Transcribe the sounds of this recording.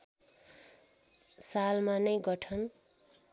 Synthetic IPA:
salmanʌjɡʌʈʰʌn

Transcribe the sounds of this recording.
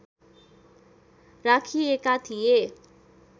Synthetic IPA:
rakʰiekat̪ʰije

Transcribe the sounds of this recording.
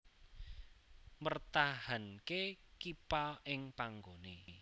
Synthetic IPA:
mərt̪ahankekipaɪŋpaŋɡone

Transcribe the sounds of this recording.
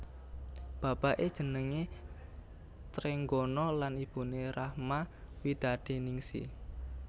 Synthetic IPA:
b̥a̤b̥a̤ʔed̥ʒ̥ə̤nəŋe | t̪ɾeŋɡɔnɔlanib̥ṳneɾahma | wid̪̥a̤d̪̥e̤niŋsḭ

